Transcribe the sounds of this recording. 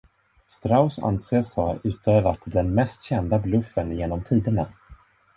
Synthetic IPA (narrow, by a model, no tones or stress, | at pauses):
st̪ɾaʊsa̰nseːsɔʉ̟ːt̪ʰøːvɾat̪d̪ɛnmɛst̪ɕɛnd̪ablɵfːənjeːnɔmt̪ʰiːd̪əna